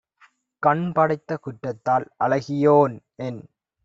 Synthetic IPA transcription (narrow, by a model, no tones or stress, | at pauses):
kɐɳpɐɽɐɪt̪ːɐkʊʈːɐt̪ːaːlʔɐlɐɣɪjoːnʔɛn